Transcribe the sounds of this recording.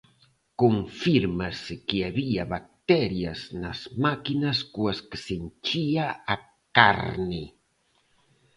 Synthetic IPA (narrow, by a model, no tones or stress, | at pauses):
koɱfiɾmasekeaβiaβak̚t̪eɾjazna̰zmakinaskuasksent͡ʃiaa | ka̰ɾni